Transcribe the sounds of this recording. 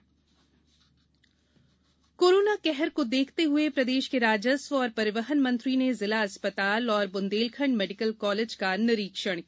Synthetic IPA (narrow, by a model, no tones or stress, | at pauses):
koːɾoːnakɛɦɛɾkod̪eːkʰt̪eɦʊepɾɐd̪eːʃkeɾaːd͡ʒəsʋɔːɾpɐɾɪʋəɦənmɐ̃nt̪ɾinezɪlaɐspət̪aːlɔːɾbʊ̃nd̪eːlkʰə̃ɳɖmɛːɖɪkəlkɔːled͡ʒkanɪɾiːkʃəɽ̃